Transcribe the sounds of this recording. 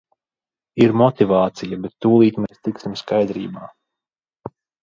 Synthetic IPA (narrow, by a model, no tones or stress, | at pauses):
iɾmɔt̪ivaːt̪sijabɛt̪ːuːlˠiːt̪meɛːst̪iksimskajd̪ɾḭːbaː